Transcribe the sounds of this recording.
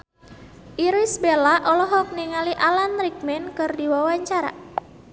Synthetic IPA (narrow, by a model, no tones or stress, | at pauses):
ʔiɾisbelaʔɔlɔɦɔk̚niŋaliʔalanrik̚mɛnkɨrdiwawaɲt͡ʃaɾa̰